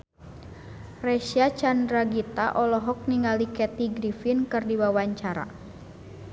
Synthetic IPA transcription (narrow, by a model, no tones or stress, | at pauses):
rɛʃiat͡ʃandɾaɡit̪aʔɔlɔɦɔk̚niŋalikɛt̪iɡɾifinkɨrdiwawaɲt͡ʃaɾa̰